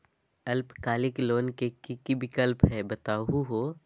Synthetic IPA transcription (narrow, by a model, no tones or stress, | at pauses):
ɐlpkaːlɪkloːnkekikibɪkəlpɦɛbɐt̪aːɦuɦoː